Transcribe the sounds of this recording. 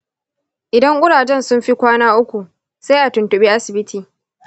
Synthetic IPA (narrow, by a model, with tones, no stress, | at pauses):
ʔɪ˨dɐ˦ŋʔʷʊ˦ɽaː˨d͡ʒɛ˦nsʊ˦mɸi˦kʷaː˦naː˦ʔʊ˦kʷu˨ | sa˦jʔa˨tʊ˨ntʊ˨ɓiː˦ʔa˦sɪ˨bɪ˦tiː˨